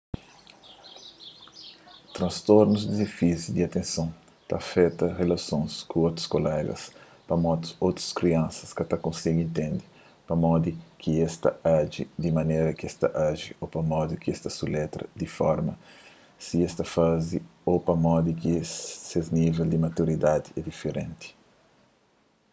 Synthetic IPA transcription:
t̪ɾɐ̃nst̪oɾnuzd̪idefizud̪iat̪ẽnsõn | t̪ɐ̰fɛt̪ɐrelɐsõskũot̪ɾʊ̥skolɛɡɐ̰s | pɐmɔt̪uot̪ɾu̥skɾiɐ̃nsɐ̥skɐt̪ɐkõnsiɡẽnt̪ẽnd̪i | pɐmɔd̪ikʰiɛst̪ɐ̰aʒḭd̪imɐneɾɐkɛst̪ɐʔaʒiopɐmɔd̪ikiɛst̪ɐsulɛt̪ɾɐ̰d̪ifɔ̰ɾmɐ | siɛst̪ɐfaziopɐmɔd̪ikisezniveld̪imɐt̪uɾid̪ad̪iɛd̪ifeɾẽnt̪i̥

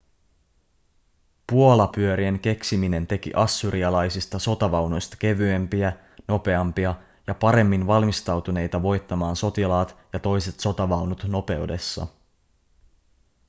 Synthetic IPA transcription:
puo̞lɑpyø̞ɾie̞ŋk̟e̞ksimine̞nt̪e̞k̟ḭʔɑsːyɾiɑlɑjsist̪ɑso̞t̪ɑʋɑwno̞jst̪ɑ̥ke̞ʋyempiæ | no̞pe̞ɑmpiɑ | jɑpɑɾe̞mːinʋɑlmist̪ɑwt̪une̞jt̪ɑʋo̞jt̪ːɑmɑːnso̞t̪ilɑːt̪jɑt̪o̞jse̞t̪so̞t̪ɑʋɑwnut̪no̞pe̞wde̞sːɑ̰

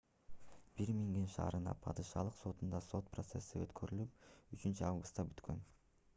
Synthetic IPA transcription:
b̥iɾmiŋd̪inʃɑ̰ːɾɯnɑ̰pʰɑd̪ɯʃɑ̰lˠɯqso̞t̪und̪ɑso̞t̪̚pro̞t̪se̞sːiø̞t̪kʰøɾylyp̚yt͡ʃynt͡ʃyɑvɡust̪ːɑbyt̪kʰø̞̰n

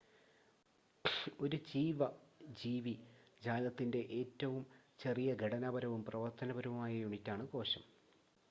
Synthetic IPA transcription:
o̞ɾud͡ʑiːʋɐd͡ʑiːʋid͡ʑaːlɐt̪ːinde̞ʔeːtːɐʋumt͡ɕe̞rijɐɡʱeɽɐnɐbɐɾɐʋumprɐʋɐrt̪ɐnɐbɐɾɐʋumaːjɐjuɳitʲːaːɳɨko̞ːɕɐm

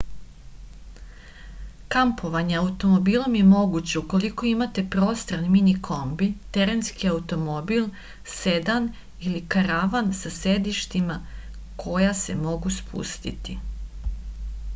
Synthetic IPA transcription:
kampʰo̞ʋaɲe̞aut̪o̞mo̞biːlˠo̞mje̞mo̞ɡut͡ɕe̞uko̞liko̞imat̪e̞pɾo̞ːst̪ɾanminikʰo̞mbit̪eɾe̞nskiaut̪o̞mo̞bilˠ | se̞d̪an | ilikaɾaʋansase̞d̪iʃt̪ima | kʰo̞jase̞mo̞ɡuspʰṵst̪ḭt̪i

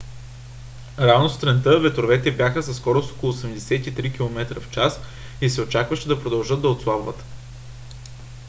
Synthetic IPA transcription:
ɾavnost̪ɾɛnt̪ɤvɛt̪ɾovɛt̪ɛbʲjaxəsɐsːkɔɾoso̥kolˠʊːsɛmd̪ɛsɛt̪it̪ɾik̟ilˠomɛt̪ɾəft͡ʃas | isɛot͡ʃakvəʃɛd̪ɐpɾod̪ɐlˠʒɤd̪̚d̪ɐot̪slˠabvə̰t̪ə̥

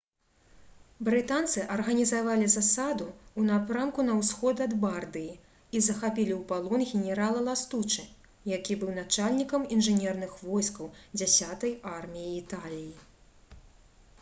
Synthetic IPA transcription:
bɾɨt̪ant̪sɨʔɐrɣɐnʲizavalʲizasad̪uunapɾamkunɐwsxɔd̪ɐd̪bard̪ɨji | izɐxapʲilʲiwpalˠɔnɣʲɛnʲɛɾalˠɐlˠast̪ut͡ʂɨ | jakʲibɨwnat͡ʂalʲnʲikɐminʐɨnʲɛrnɨxvɔjskɐwd͡zʲasʲat̪ɐjarmʲijiːt̪alʲiji

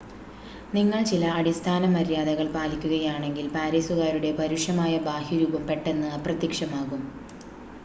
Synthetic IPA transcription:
niŋːɐɭt͡ɕilɐːɽist̪ʰaːnɐmːɐɾijaːðɐɣɐɭpaːlikʲːuɣɐjaːɳe̞ŋɡilpaːɾeːsuɣaːɾuɽe̞pɐɾuʂjɐmaːjɐbaːhjuɾuːbɐmpe̞ʈːe̞nːɨɐprɐt̪ːikʂɐmaːɣum

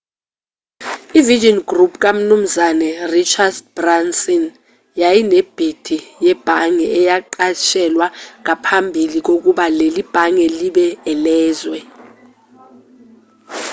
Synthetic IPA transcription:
iviʒɔnɡrupʰk̬ʼam̩num̩zanɛrit͡ʃʰadb̥ransɔn | jajineb̥ʱid̥ʱijɛb̥ʱaŋɛɛjaǃaʃʰɛlwaŋapʰambʱilik̬ok̬uɓalelib̥ʱaŋɛliɓɛɛlɛːzwɛ

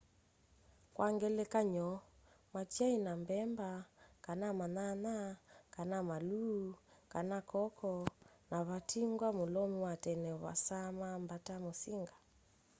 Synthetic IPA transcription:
kwaŋɡɛlɛkaɲɔ | matiainambɛmbakanamananakanamalukanakɔkʰɔnaβatʰiŋɡwamulɔmiwatɛnɛβa̰samambatamosiŋɡa

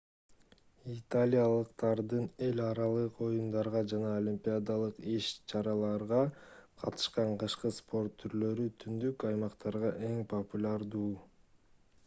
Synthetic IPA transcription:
it̪alʲijalˠɯqt̪ɑɾd̪ɯne̞lʲɑɾɑlˠɯqo̞jund̪ɑɾʁɑd͡ʒɑnɑolʲimpʲiad̪alˠɯqiʃt͡ʃʰɑɾɑlˠɑɾʁɑqʰɑ̰t̪ɯ̥ʃqɑɴqɯʃqɯspʰo̞rt̪ʰːyɾlø̞ɾyt̪ʰynd̪ykɑjmɑqt̪ɑɾʁɑʔe̞ŋpʰopulʲaɾd̪uː

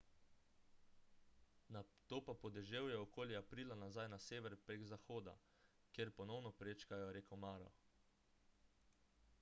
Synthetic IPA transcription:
nat̪oːpapɔd̪ɛʒewjɛɔkoːljiapɾiːlanazajnaseːʋɛɾpɾeɡzaxoːd̪a̰ | kjeɾpɔnɔwnɔpɾeːt͡ʃkajɔɾekɔmaːɾɔ̰

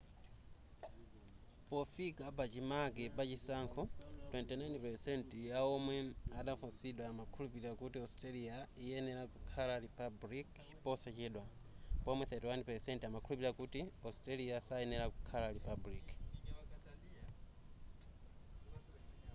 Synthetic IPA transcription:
pɔfikapat͡ʃimaɡɛpat͡ʃisaŋkʰɔtwɛntɛnajnpɛsɛntjaɔmwɛaɗafunsiɗwamakʰulupiɾakutiɔstaliaijɛnɛɾakukʰalaɾipablik | pɔsɛt͡ʃɛɗwa | pɔmwɛθɛtɛwanpɛsɛntamakʰulupiɾiakutiɔstaliasaɛnɛɾaku̥kʰalaɾipablik

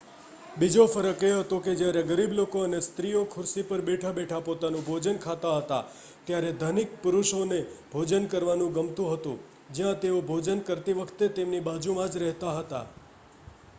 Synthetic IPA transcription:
bid͡ʒofəɾəkeɦət̪oked͡ʒjaɾeɡəɾiblokoənest̪ɾiokʰʊɾsipəɾbeʈʰabeʈʰapot̪anũbʱod͡ʒənkʰat̪aɦət̪a̰ | t̪jaɾed̪ʱənik̚pʊɾuʃonebʱod͡ʒənkəɾʋanũɡəmt̪ũɦət̪ṵ̃ | d͡ʒjãt̪eobʱod͡ʒənkəɾt̪iʋəkʰt̪et̪emnibad͡ʒumãd͡ʒɾɛɦt̪aɦət̪a̰

